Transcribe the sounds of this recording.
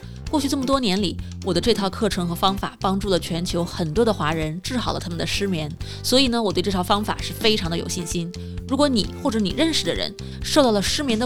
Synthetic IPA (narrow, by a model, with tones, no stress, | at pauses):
kwɔ˥˧t͡ɕʰy˥˧ʈ͡ʂɤ˥˩mə˩t̪wɔ˥njɛ˧˥nli˨˩˦ | wɔ˨˩d̪ə˦ʈ͡ʂɤ˥˧t̪ʰɑ˥˧ʊkʰɤ˥˩ʈ͡ʂʰɤ˧˥ŋxɤ˧˥fɑ˥ŋfa̰˨˩pɑ˥ŋʈ͡ʂu˥˩lə˩t͡ɕʰɥɛ˧˥nt͡ɕʰjo˧˥ʊxə˨˩nt̪wɔ˥d̪ə˨xwa˧˥ɻə˧˥nʈ͡ʂɻ̩˥˩xɑ˨˩ʊlə̰˦t̪ʰa˥mə˨nd̪ə˩ʂɻ̩˥mjɛ˧˥n | swɔ˧˥i˨˩nə˦wɔ˨˩t̪we˥˧ɪʈ͡ʂɤ˥˩ɑ˥ʊfɑ˥ŋfa̰˨˩ʂɻ̩˥˩fe˥ɪʈ͡ʂʰɑ˧˥ŋd̪ə˧jo̰˨˩ʊɕi˥˩nɕi˥n | ɻu˧˥kwɔ˧˥nḭ˨˩˦xwɔ˥˩ʈ͡ʂɤ˧˥nḭ˨˩ɻə˥˩nʂɻ̩˨˩d̪ə̰˩ɻə̰˧˥n | ʂo˥˧t̪ɑ˥˩lə˩ʂɻ̩˥mjɛ˧˥nd̪ə˧